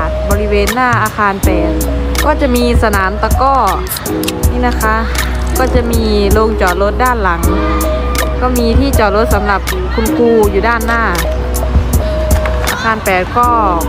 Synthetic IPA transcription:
t̪̚bɔː˧li˦˧weː˧nːaː˥˩ʔaː˧kʰaː˧npɛː˨˩t̪̚ | kɔː˧˥˩t͡ɕa˨˧˨miː˧sa˧naː˨˦mt̪a˧kɔː˧˩ | niː˧˥˨na˦˧˩kʰa˦˥ʔ | kɔː˧˥˩t͡ɕa˨˧˨miː˧loː˧ŋt͡ɕɔː˨˩lo˦˥t̪̚daː˥˩˨nla˨˩˦ŋ | kɔː˧˩miː˧t̪ʰiː˥˩t͡ɕɔː˨˩lo˧˥t̪̚sa˨˦mla˧˩p̚ | kʰu˧nkʰuː˧juː˨daː˥˩nːaː˧˥˩ | ʔa̰ː˧xʰaː˧npɛː˨˩t̪̚kɔː˧˩

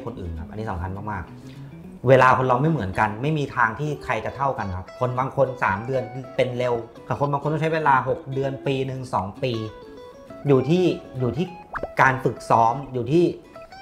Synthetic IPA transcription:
kʰo˧nʔɯ̰ː˨˩nkʰa˦˥p̚a˧nːiː˦˩sa˩˦ŋkʰa˧nmaː˥˩maː˥˩k̚ | weː˧laː˧kʰo˧nlɔː˧ŋma˥˩jmɯ˩˦nka˧nma˥˩jmiː˧t̪ʰaː˧ŋt̪ʰiː˥˩kʰɾa˧jt͡ɕa˨˩t̪ʰa˥˩wka˧nkʰa˦˥p̚kʰo˧nbaː˧ŋkʰo˧nsa̰ː˩˦mdɯ˧ən˧pe˧nle˧wkʰaː˨˩kʰo˧nbaː˧ŋko˧nʰ˥˩t͡ɕʰweː˧laː˧ɦo˨˩k̚dɯ˧ənpiː˧nɯ˨˩ŋsɔː˩˦ŋpiː˧ | juː˨˩t̪ʰiː˥˩juː˨˩t̪ʰiː˥˩kaː˧nfɯ˨˩k̚sɔː˦˥mjuː˨˩t̪ʰiː˥˩

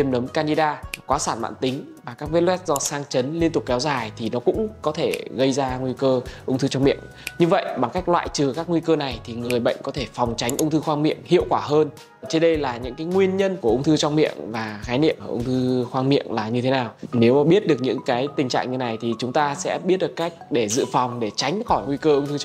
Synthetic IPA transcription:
i˧əmnə˨˦mkaː˧ni˧ɗaː˧kwaː˨˦saː˧˩nɓa̰ː˧˨nt̪ï˨˦ŋ̟ | vaː˨˩kaː˦˥k̚vt̚lwɛ˦˥t̚zɔ˧saː˧ŋt͡ɕə˨˦nli˧ənt̪ʊ˨˩k͡p̚kɛ˨˦wzaː˨˩jt̪ʰi˨˩nɔ˨˦kʊ̰˧˥ŋ͡mkɔ˨˦t̪ʰe˧˩ɣə˧jzaː˧ŋwi˧kəː˧ʔʊ˧wŋ͡mt̪ʰɨ˧t͡ɕɔ˧ŋ͡mmḭ˧˨əŋ | ɲɨ˧və̰˧˨jɓa˨˩ŋka˦˥jk̟̚lwa̰ː˧˨jt͡ɕɨ˨˩kaː˦˥k̚ŋwi˧kəː˧na˨˩jt̪ʰi˨˩ŋɨ˨˩əjɓə̰˧˨jŋ̟kɔ˨˦t̪ʰe˧˩fɔ˨˩wŋ͡mt͡ɕa˨˦jŋ̟ʔʊ˧wŋ͡mt̪ʰɨ˧xwaː˧ŋmḭ˧˨əŋhḭ˧˨əwkwaː˧˩ɦəː˧n | t͡ɕe˧nɗə˧jlaː˨˩ɲɨ̰˧˥kaː˨˦jŋwi˧ənɲə˧nku˧˩əʔʊ˧ŋ͡mt̪ʰɨ˧t͡ɕɔ˧wŋ͡mmḭ˧˨əŋvaː˨˩xaː˨˦nḭ˧˨əə˧˩ʔə˧wŋ͡mt̪ʰɨ˧xwaː˧ŋmḭ˧˨əŋlaː˨˩ɲɨ˧t̪ʰe˨˦naː˨˩wne˨˦wɓi˦˥ət̚ɗɨ˨˩ək̚ɲɨ̰˧˥ŋkaː˨˦jt̪ï˨˩ŋ̟t͡ɕa̰ː˧˨ŋɲɨ˧˩na˨˩jt̪ʰi˨˩t͡ɕʊ˨˦ŋ͡mt̪aː˧sɛ̰˧˥ɓi˦˥t̚ɗɨ˨˩ə˩kːa˦˥jk̟̚ɗe˧˩zɨ̰˧˨fɔ˨˩wŋ͡mɗe˧˩t͡ɕa˨˦jŋ̟xɔ˧˩ŋwi˧kəː˧ʔʊ˧ŋ͡mt̪ʰɨ˧

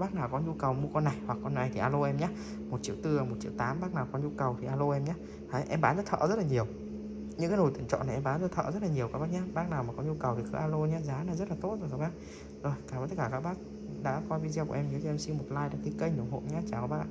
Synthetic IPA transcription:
ɓaː˦˥k̚naː˨˩wkɔ˨˦ɲu˧kə˨˩wmu˧əkɔ˧nːa˨˩jwa˨˩kːɔ˧nːa˨˩jt̪ʰi˨˩ʔaː˧lo˧ʔɛ˧mɲaː˧˦ | mo˨˩t̚t͡ɕḭ˧˥əwt̪ɨ˧a˨˩mo˨˩t̚t͡ɕḭ˧əwt̪aː˨˦mɓaː˦˥k̚naː˨˩wkɔ˨˦nɲu˧kə˨˩wt̪ʰi˨˩ʔaː˧lo˧ʔɛ˧mɲaː˨˦ | haː˨˦ʔɛ˧mɓaː˨˦nzə˦˥t̚t̪ʰə̰ː˧˨zə˦˥t̚laː˨˩ɲi˨˩əw | ɲɨ̰˧˥kaː˨˦jno˧˩jt̪ɨ˨˧˩əŋt͡ɕɔ̰˧˨na˨˩ʔɛ˧mɓaː˨˦nzə˦˥t̪ʰə̰˧˨zə˦˥t̚laː˨˩ɲi˨˩əwkaː˧˦˥kɓaː˦˥k̚ɲaː˧ɓaː˦˥k̚naː˨˩wmaː˨˩kɔ˨˦ɲu˧kə˨˩wt̪ʰi˨˩kə˧˦ʔaː˧lo˧ɲaː˨˦zaː˨˦naː˨˩zə˦˥t̚laː˨˩t̪o˦˥t̚zo˨˩jkaː˦˥k̚ɓaː˦˥k̚ | zo˨˩jkaː˧˩˧t̪ə˦˥kaː˧˩kːaː˦˥k̚ɓaː˦˥k̚ | ɗa̰ː˧˥kɔ˧vi˧zɛ˧kʔɛ˧mɲɨ˨˦kʰːʔɛ˧msi˧mo˨˩t̚laː˧jɗa̰ː˧˥t̪ʰi˧kə˧jɲo˨˩ŋ͡mho̰˧˨ɲaː˧t͡ɕaː˧˩kɓaː˦˥˧

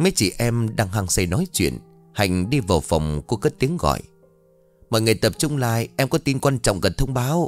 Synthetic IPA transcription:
mə˨˦jt͡ɕḭ˧˩ʔɛ˧mɗaː˧ŋɦaː˧˩ŋsa˧˩jnɔ˨˦jt͡ɕwḭ˧˨ən | ha̰˨˧˩jŋ̟ɗi˧vaː˨˩wfa˨˩wŋ͡mku˧˩əkə˦˥t̚t̪i˨˦əŋɣɔ̰˧˨j | mɔ̰ː˧˨jŋə˨˩jt̪ə˨˩p̚t͡ɕʊ˧ŋ͡mlaː˧jʔɛ˧mkɔ˨˦t̪i˧nkwaː˧nt͡ɕɔ̰˧˨wŋ͡mɣə˨˩nt̪ʰə˧wŋ͡mɓaː˨˦w

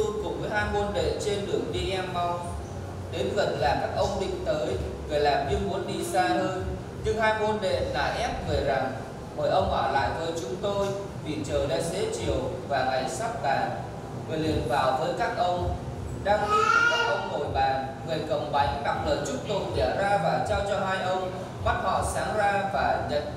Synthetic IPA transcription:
ɨ˧kʊ̰˨˩ŋ͡mvəː˨˦jɦaː˧jmo˧nɗḛ˧˨t͡ɕe˧nɗɨ˨˩əŋɗi˧a˧mmɔ˧ | ɗe˨˦nvə˨˩t̚laː˨˩kaː˦˥k̚ʔə˧wŋ͡mɗḭ̈˧˨ŋ̟t̪əː˨˦jvə˨˩jlaː˨˩mɲɨ˧ŋmu˨˦ənɗi˧zaː˧həː˧n | ɲɨ˧ŋhaː˧jmo˧nɗḛ˧˨la̰ː˧˥jʔɛ˦˥p̚ve˨˩za˨˩ŋ | ɓəː˨˩jʔə˧wŋ͡mʔɔ̰ː˧˩la̰ː˧˨jvəː˨˦jt͡ɕʊ˨˦ŋ͡mt̪o˧j | vi˨˩t͡ɕəː˨˩jɗa̰ː˧˦˥zḛ˧˥t͡ɕi˨˩əwvaː˨˩ŋa˨˩jsa˦˥p̚t̪aː˨˩ | ŋɨ˨˩jlḭ˧˩ənvaː˨˩wvəː˨˦jkaː˦˥k̚ʔə˧wŋ͡m | ɗaː˧ŋɗi˧˨˩kə˨˦k̚ʔə˧wŋ͡mno̰˧˨jɓaː˨˩nŋɨ˨˩əjkə̰˨˩wŋ͡mɓa˨˦jŋɗa˨˩p̚lə̰ː˨˦nt͡ɕʊ˦˥k͡p̚t̪o˨˩t̚la˧˩zaː˧vaː˨˩t͡ɕaː˧wt͡ɕɔ˧ɦaː˧jʔə˧wŋ͡m | ma˦˥t̚hɔ̰˧˨saː˨˦ŋzaː˧vaː˨˩ɲə̰˧˨n

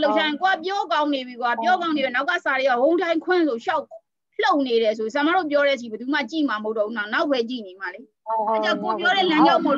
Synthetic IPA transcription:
lo˦ʊʔʃʰa˦jɪ̃˨ko˨a˦˨pjɔ˦kã˦ʊ̃ne˨bi˨ko˨a˦˨pjɔ˦kã˦ʊ̃ne˨ɛ˨na˦ʊka̰˦˨sa˨ɾe˨a˦˨wõ˨ʊ̃tʰã˦ɪ̃ŋkʰwɪ̃˦˨nsʰo˨ʃa˦ʊ | l̥o˦ʊʔne˨ɾɛ˨s̬o˨s̬a˨ma˦˨ɾo̰˦˨p̬jɔ˦ɾɛ˦˨t͡ɕ̬ʰi˦˨bəd̪u˨ma̰˦˨t͡ɕḭ˦˨ma˨mho˦ʊtːɔ˦˨u˦na˦˨na˦ʊʔpʰːɛ˦t͡ɕḭ˦˨ne˨ma˨le˦ | a˦˨t͡ɕã˦˨ŋko˨pjɔ˦ɾɛ˦˨lã˦ɲd͡ʑa˦ʊʔmo˨

